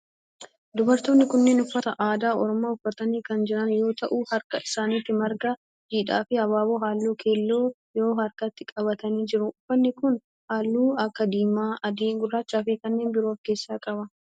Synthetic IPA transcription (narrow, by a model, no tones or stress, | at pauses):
d̪ʊbɐɾt̪oːnːɪkʊnːe̞ːnʊfːɐt̪ɐʔaːd̪aːɔɾɔmaːʊfːɐt̪ɐniːkɐnd͡ʒɪɾɐnjo̞ːt̪ɐʔuːhɐɾkɐɪsaːniːt̪ːɪmɐɾɡa | d͡ʒiːᶑa̰ːfɪhɐβaːboːɦaːlːuːkʰeːlːo̞ː | jo̞ːɦɐɾkɐt̪ːɪkʼɐβɐt̪ɐniːd͡ʒɪɾʊʊfːɐnːɪkʊn | haːlːuːɐkːɐd̪iːmaːʔɐd̪eːŋɡʊrːaːt͡ʃːaːfiːkɐnːe̞ːnbɪɾoːfke̞ːsːaːkʼɐbɐ